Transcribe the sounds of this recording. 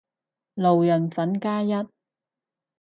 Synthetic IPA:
lo˨wjɐ˨˩nfɐ˨˥nkaː˥jɐ˥t̚

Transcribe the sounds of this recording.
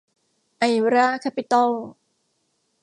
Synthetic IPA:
ʔa˨jɾa˥kʰa˦˥pi˨t̪ɔ˥l

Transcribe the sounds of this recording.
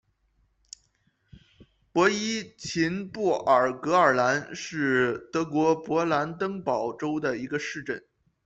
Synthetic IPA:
pwɔ˧˥i˥t͡ɕʰi˧˥npu˥˩ʔə˞˨˩kɤ˧˥ə˞˨˩la˧˥nʂɻ̩˥˩t̪ɤ˧˥kwɔ˧˥pwɔ˧˥la˧˥nt̪̬ɤ˥ŋpɑ˨˩ʊʈ͡ʂo˥ʊd̪ə˨i˧˥ɡə˧ʂɻ̩˥˧ʈ͡ʂə˥˩n

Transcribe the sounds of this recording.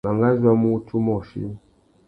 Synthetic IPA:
a˨ŋɡa˦za˦mu˦tu˦mɔ˨ʃḭ˦

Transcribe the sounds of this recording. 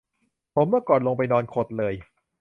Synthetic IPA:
pʰo˩˦mːɯ˥˩ɐkɔː˨˩nlo˧ŋp̬a˧jnɔː˧nkʰo˨˩t̪̚lɤː˧j

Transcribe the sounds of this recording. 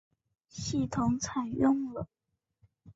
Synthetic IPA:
ɕi˥˩t̪ʰʊ˧˥ŋt͡sʰa˨˩ɪjʊ˥˩ŋlə˨˩

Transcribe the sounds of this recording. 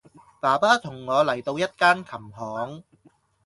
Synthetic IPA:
paː˨˩paː˥t̪ʰʊ˨˩ŋːɔː˨˧lɐ˨˩jt̪o˧wjɐ˥t̚kaː˥nkʰɐ˨˩mɦɔː˨˥ŋ

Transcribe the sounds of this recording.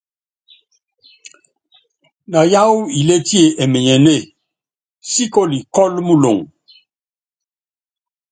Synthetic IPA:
na˨ja˦wi˨le˦ti˦e˨ʔɛ˨me˨ɲɛ˨ne˦˨ | si˦ko˦li˨kɔ˦lmu˦lo̰˨ŋ

